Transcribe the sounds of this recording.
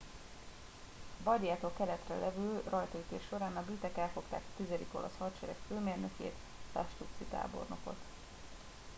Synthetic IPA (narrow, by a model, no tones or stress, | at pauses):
bɒd̪jaːt̪oːlkɛlɛt̪rɛ̰lʔɛvylrɒjt̪ɒyt̪eːʃːo̞ɾaːnɒbyːt̪ɛkɛlfo̞kt̪a̰ːkɒ̥t̪izɛd̪iko̞lʔɒ̰shɒt͡ʃɛɾɛkføːmeːrnøkjḛːt̪ | sa̰ʃt̪uk̪sit̪a̰ːbo̞̰rno̞̰ko̞̰t̪